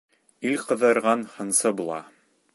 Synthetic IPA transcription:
ilqɤ̆ðɤ̆ɾʁɑnhɤ̆nsɤbulˠɑ̰

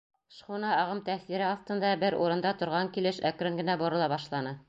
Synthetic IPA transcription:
ʃχunɑːʁɤmt̪æθiɾɘɑθt̪ɤ̆nd̪ɑbɘɾṵɾɤ̆nd̪ɑt̪ŏɾʁɑŋkilɘʃækɾɘŋɡɘ̆næboɾɤ̆lˠɑbɑʃlˠɑnɤ

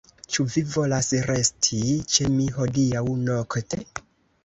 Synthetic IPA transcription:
t͡ʃuvivo̞lasɾe̞stʰit͡ʃemiɦo̞diawnokte

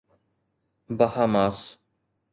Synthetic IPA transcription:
bahaːmaːs

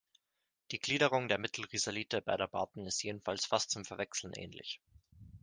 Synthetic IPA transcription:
d̥iːɡ̥liːɾəʁʊŋdeːɐmɪtʰl̩ʁizaliːtəbadəbaːtn̩ɪstjeːdn̩falsfast̚t͡sʊmfɛɐvɛksl̩n̩ʔɛ̰ːnlɪ̰ç

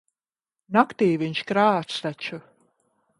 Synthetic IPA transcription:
nakt̪iːviɲʲt͡ʃkɾaːsɾat͡ʃu

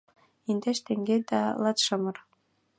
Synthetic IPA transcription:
ind̪eʃt̪eŋɡʲed̪ɑ̰lɑt̪ʃɤ̆mɤ̆r

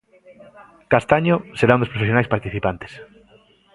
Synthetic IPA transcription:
kast̪aɲoseɾaũnd̪ospɾofesjonajspaɾt̪iθipant̪e̥s

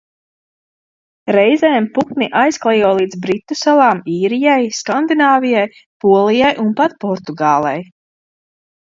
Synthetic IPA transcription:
ɾɛjzɛːmpuk̪niʔajsklˠɛjuɔlˠiːd̪zbɾit̪ːusalˠaːmiːɾijajskand̪inaːvijaj | puɔlˠijajʔunpat̪pɔɾt̪uɡaːlˠɛ̰j

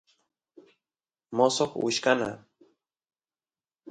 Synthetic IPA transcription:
mosoχwʊ̰ʃkana̰

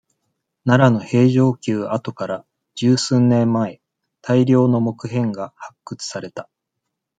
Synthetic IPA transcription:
naɾano̞he̞ːʑo̞ːkʲɨːat̪o̞kaɾa | d͡ʑ̥ɨːsɨ̃nːẽ̞mːae̞ | t̪ʰaiɾʲjo̞ːno̞mo̞kɯ̟ɦẽ̞ŋɡahakːɯ̟t͡sɨ̥saɾe̞t̪a

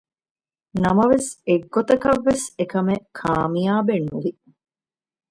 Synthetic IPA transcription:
nɐmɐʋeseɡːot̪ɐkɐʋːesekɐmekʰaːmijaːbenːuʋi

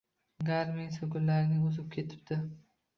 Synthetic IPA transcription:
ɡaɾmɪŋsoɡʲʊllaɾɪnɪʊzɪp̚kʲʰe̞t̪ʰɪ̥b̚d̪̥ɪ

